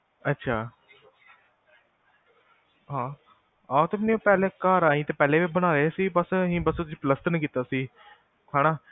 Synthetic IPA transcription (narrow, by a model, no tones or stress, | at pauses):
ətːʃʰaː | ɦãː | aːt̪emneõːpɛːleːkaːɾaːĩːt̪eːpɛːleːʋiːbəɽ̃aːɾeːsiːbəsɦĩːbəst̪ʊsĩːpləst̪nəkiːt̪aːsiː | kʰaːnaː